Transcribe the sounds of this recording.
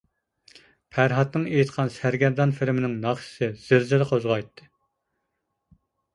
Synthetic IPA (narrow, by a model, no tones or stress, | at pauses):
pʰæɾɦɑt̪nɨŋejit̪qʰɑnsæɾɡʲɛɾd̪ɑnfɪlmɪnɪŋnɑχʃɪ̥sɨz̥ɪɾzɪlɨqʰozʁɑjt̪ʰːɨ